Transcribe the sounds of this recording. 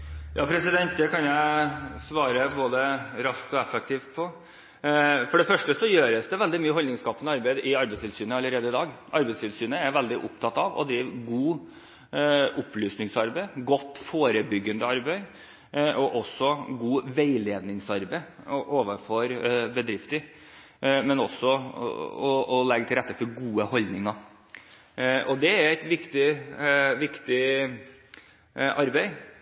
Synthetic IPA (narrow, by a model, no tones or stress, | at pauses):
jʔɑ̰ːpʰɾɛsɪd̪ɛnt̪̚d̪ɛkɑnjæɪsʋɑːɾəboːd̪əɾɑsk̚t̪ɔɛfɛk̚t̪ʰiːʋt̪pʰɔ | fɔɖɛfœʂʈəsɔjøːɾəsd̪ɛʋɛld̪ɪmyːəɦɔlnɪŋskɑːpənəɑɾbæɪd̪ʔɪɑɾbɛɪst̪ʰɪlsyːnəɑlːəɾeːd̪əɪd̪ɑːɡʔɑɾbɛɪst̪ʰɪlsyːnəæɾʋɛld̪ɪʔʊ̰pt̪ʰɑt̪ːɑʋɔ̰d̪ɾiːʋɡuː | ʔʊplyːsnɪŋsɑɾbæɪɡɔt̪ːfoːɾəbʏɡːənd̪əɑɾbæɪ | ʔɔʔɔsːɔɡuːʋeɪleːd̪nɪŋsɑɾbɛɪ | ɔʔoːʋənfɔɾbəd̪ɾɪft̪əɾ | mɛnɔsːɔ | ɔɔlɛɡt̪ɪɾɛt̪ːəfɔɾɡuːəhɔld̪nɪŋɑɾ | ʔɔd̪ɛæɾæɪt̪ʋɪkt̪ɪ | ʋɪkt̪ɪ | ʔɑɾbɛɪ